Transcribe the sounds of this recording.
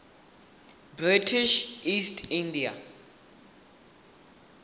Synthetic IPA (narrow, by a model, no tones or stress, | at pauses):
britʰiʃistʰindia̰